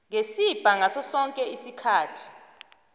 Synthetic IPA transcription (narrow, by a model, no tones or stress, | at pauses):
ŋesib̥ʱaŋasɔsɔŋkʼɛisikʰaːtʰi̥